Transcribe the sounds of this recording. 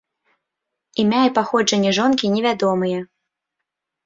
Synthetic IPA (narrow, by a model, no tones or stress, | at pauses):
imʲaipaxɔd͡ʐɐnʲːɛʐɔnkʲinʲɛvʲad̪ɔmɨjɛ